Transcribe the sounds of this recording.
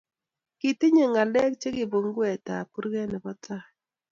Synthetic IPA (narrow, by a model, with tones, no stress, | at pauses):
ki˨tɪ˦ɲe˨ŋa˨lɛ˦k̚t͡ʃe˦kɪ˨bo˨ŋ˦ɡwɛ˨ta̰˨ku˦ɾɡe˦nɪ˨kɔ˦tʰa˦˨